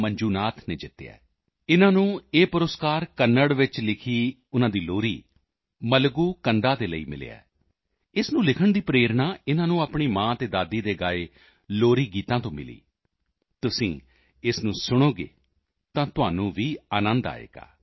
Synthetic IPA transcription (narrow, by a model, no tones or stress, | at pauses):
məɲd͡ʒuːnaːt̪ʰneːd͡ʒɪt̪ːeɛ̰ː | ɪnãːnũːeːpʊɾəskaːɾkənːəɽʋɪt͡ʃlɪkʰiː | ʊnãːd̪iːloːɾiː | məlɡuːkənd̪aːd̪eːləḭːmɪ̰lḛːɛ̰ː | ɪsnũːlɪkʰəɳd̪iːpɾeːɾnaːɪnãːnũːaːpɳ̃iːmãːt̪eːd̪aːd̪iːd̪eːɡaːeː | loːɾiːɡiːt̪ãːt̪õːmɪ̰lḭː | t̪ʊsĩː | ɪsnũːsʊɽ̃oːɡḛː | t̪ãːt̪ʊaːnũːʋiːaːnə̃nd̪a̰ːḛːɡ̥a̰ː